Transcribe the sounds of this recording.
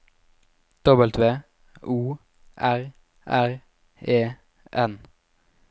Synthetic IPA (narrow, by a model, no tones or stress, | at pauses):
d̪̥ɔbəlt̪ʋeː | ʔuː | ʔæʁ | ʔæʁ | eː | ʔɛn